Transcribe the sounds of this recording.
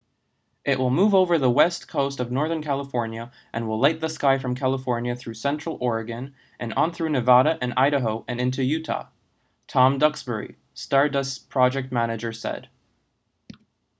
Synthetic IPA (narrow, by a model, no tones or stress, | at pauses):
ʔɪʔwʔəlˠmuvoʊvə˞ðəwɛstkʰoʊstʌvnɔɹðə̃˞nkʰælˠəfɔɹnjɨ | ʔɨ̃nwəlˠlaɪt̪̚ðəskaɪfɹʌ̃mkʰælˠəfɔɹnjɨθɹʉsɛ̃nt͡ʃɹ̥l̩ˠʔɔɹɨɡɨ̃n | ʔɨ̃nə̃nθɹʉnɨvɑɾɨʔɨ̃na̰ɪɾɨɦoʊʔɨ̃nɪ̃ntʰʉjʉɾʰɑ̰ | tʰɑ̃mdʌksb̥ə˞ḭ | stɑɹdʌspʰɹ̥ɑd͡ʒɛk̚t̚mæñɨd͡ʒə˞sɛ̰d̥